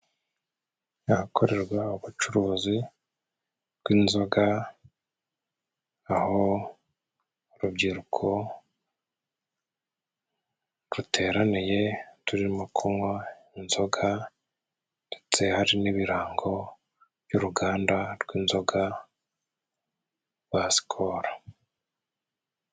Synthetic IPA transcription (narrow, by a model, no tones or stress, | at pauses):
ahakʰo̞ɾe̞ɾɡwauβut͡ʃuɾuzi | ɾɡwiːnzo̞ɡa | aho̞ | ɾubɟiɾukʰo̞ | ɾutʰe̞ːɾanije̞tuɾiimukʰomwa | inzo̞ɡa | nde̞t͡se̞haɾiniβiɾaːŋɡo̞ | bjuːɾuɡaːndaɾɡwiːnzo̞ɡa | βwasi̥kʰoɾḁ